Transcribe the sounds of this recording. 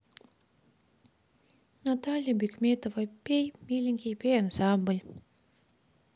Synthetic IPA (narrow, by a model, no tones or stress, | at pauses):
nat̪alʲjɐbʲikmʲet̪ovɐpʲejmʲilʲiŋkʲipʲejansambɨlʲ